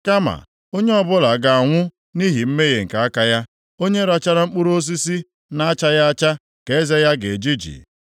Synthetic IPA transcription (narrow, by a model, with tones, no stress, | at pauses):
ka˦ma̰˨ | o˦ɲe˦ɔ˦bʊ˦la˨ɡa˨a˨ŋʷʊ˦ | ni˦ɦi˨m̩˦me˦ɣe˨ŋ̩˨ka˨a˦ka˦ja˦ | o˦ɲe˦ɾa˦t͡ʃa˦ɾa˦ŋ͡m̩˦k͡pu˦ɾo˦s̬i˦si˦ | na˦a˦t͡ʃa˦ja˦a˦t͡ʃa˦ | ke˨e˦ze˦ja˦ɡe˨d͡ʒi˦d͡ʒḭ˨